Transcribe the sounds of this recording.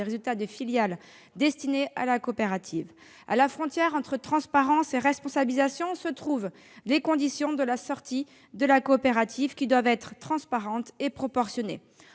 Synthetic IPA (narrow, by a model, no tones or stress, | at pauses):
eʁezylt̪ad̪əfiljal | d̪ɛst̪ineʔa̰lakoːpeʁat̪ʰiv | a̰lafχɔ̃t̪jɛʁɑ̃t̪χət̪χɑ̃spaʁɑ̃seʁɛspɔ̃sabilizasjɔ̃sət̪χuv | lekɔ̃d̪isjɔ̃d̪əlasɔʁt̪ʰi | d̪əlakoːpeʁat̪ʰivkʲid̪wavɛt̪χət̪ːχɑ̃spaʁɑ̃t̪epχɔpɔʁsjɔnḛ